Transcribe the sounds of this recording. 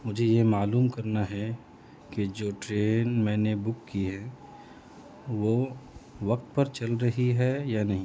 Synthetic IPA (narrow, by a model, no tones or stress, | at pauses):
mʊd͡ʒʱejemaːluːmkɐɾnaɦɛ | ked͡ʒoːʈɾeːnmɛ̃ːnebʊkːiɦɛ | ʋoː | ʋɐk̚t̪̚pɐɾt͡ʃɐlɾɐɦiɦɛjanɐɦĩ